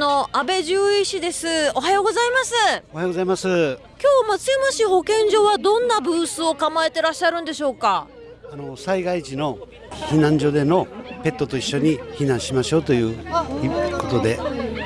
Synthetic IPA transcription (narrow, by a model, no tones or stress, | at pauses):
no̞abe̞ʑɨːiɕid̪e̞sɨo̞ɦajo̞ːɡo̞zaimasɨohajoɡozaimasɨ | kʲo̞ːmat͡sɨimaɕiho̞kẽ̞ɲd͡ʑo̞ːβad̪õ̞nːabɯ̟ːsɨo̞kamaet̪e̞ɾaɕːaɾɯ̟̃nd̪e̞ɕo̞ːka | ano̞saiɡait͡ɕino̞ | çinãɲ̟d͡ʑo̞d̪e̞no̞pe̞t̪ːo̞t̪o̞iɕːo̞ɲ̟içinãɰ̃ɕimaɕo̞ːt̪o̞jɯ̟ː | ko̞t̪o̞d̪e̞